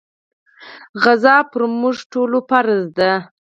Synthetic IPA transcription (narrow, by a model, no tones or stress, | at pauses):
ɣazɑpəɾmuʐʈolopaɾzd̪a